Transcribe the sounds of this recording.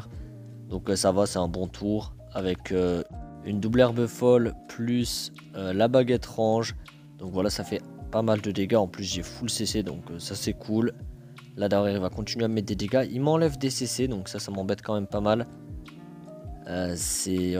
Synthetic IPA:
ʁ | d̪̥ɔ̃ksavasɛt̪ɛ̃bɔ̃t̪ʰuʁ | avɛkʰøynd̪ublɛʁbəfɔlplys | ølabaɡet̪χɑ̃ʒ | d̪̥ɔ̃kvwalasafɛ | pamald̪əd̪eɡaɑ̃plys̬ʒefuləsesed̪ɔ̃køsasɛkʰulː | ad̪əʁjɛʁivakɔ̃t̪inɥeamɛt̪̚d̪ed̪eɡaʔilmɑ̃lɛvd̪esesed̪ɔ̃ksasamɑ̃bɛt̪kɑ̃mɛmpamal | øsɛ

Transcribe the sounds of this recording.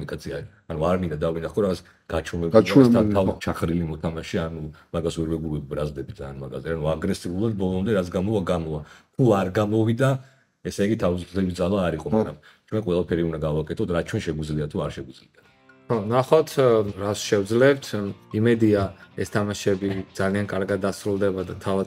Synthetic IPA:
unikʼat̪sʰia | anuaɾmĩnd̪ad̪avinaχɔɾaɡats | ɡ̥at͡ʃʰumɛbt͡ʃaat̪ʰavt͡ʃʰaχʰɾilimɔt̪ʰamaʃianumaɡaswɛɾvɛɡuɾibɾazd̪ɛbid̪za̰ːnmaɡa̰zɛanuaɡɾɛsiulˠad̪̚bɔlˠɔmd̪ɛɾat̪s̬ʰɡamɔvaɡamɔvakʰuaɾɡamɔvid̪a | ɛsɛiɡit̪ʰavisɛbisd̪zalˠaːɾiqʼɔmaɡɾam | t͡ʃʰwɛnqʼwɛlˠapʰɛɾiund̪aɡavakʼɛt̪ʰɔt̪ʰɾat̪̚t͡ʃʰwɛnʃɛɡwid̪zliat̪ʰːuaɾʃɛɡid̪zliat̪ʰ | ɔnaχat̪ʰɾasʃɛvd̪zlɛpt̪ʰimɛd̪iaɛst̪ʰamaʃɛbid̪zaliankʼaɾɡad̪ːasɾulˠd̪ɛbad̪at̪ʰava

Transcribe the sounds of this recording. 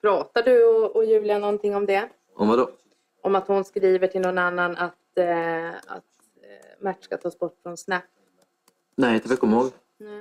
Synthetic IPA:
pʰɾɑːt̪aɖɵɔɔjʉ̟ːlɪanɔnt̪ʰɪŋːɔmd̪ɛ | ʔɔmvad̪ɔ | ʔɔmat̪hʊnskɾiːvəʈʰɪlnɔnanːanat̪ | a̰t̪ | mæʈːʂkat̪ʰɑːsbɔʈːfɾɔnsnɛpː | nɛɪt̪ʰafɛkɔmːhoːɡ | nɛ

